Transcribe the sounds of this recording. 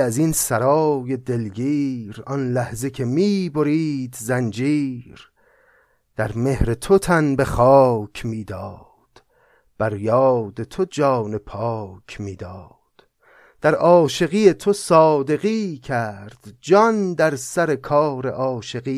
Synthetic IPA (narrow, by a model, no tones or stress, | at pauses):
æzinsæɾɒːje̞d̪e̞lɡiːɾɒnlæhze̞kʰe̞miːbo̞ɾiːd̪zænd͡ʒiːɾ | d̪̥æɾme̞hɾe̞t̪ʰot̪ʰænbe̞χɒːcʰmiːd̪ɒː | d̪̥ | b̥æɾjɒːd̪e̞t̪ʰo̞d͡ʒɒːne̞pʰɒːcʰmiːd̪ɒː | d̪̥ | d̪̥æɾɒːʃe̞ɣiːet̪ʰo̞sɒːd̪e̞ɣiːcʰæɾd̪̥d͡ʒɒnd̪æɾsæɾe̞kʰɒːɾḛʔɒːʃe̞ɣiː